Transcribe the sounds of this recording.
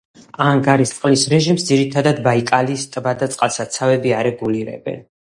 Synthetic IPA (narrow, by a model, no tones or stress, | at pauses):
aŋɡaɾist̪sʼqʼlisɾɛʒimsd̪ziɾit̪ʰad̪ad̪baikʼalist̪ʼbad̪at̪sʼqʼalsat̪sʰavɛbiaɾɛɡuliɾɛ̰bɛ̰n